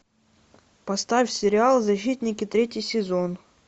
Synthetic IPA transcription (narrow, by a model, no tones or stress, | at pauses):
pɐst̪afʲsʲɪɾʲɪalˠzɐɕːit̪ʲnʲɪkʲɪt̪ɾʲetʲjɪjsʲɪzon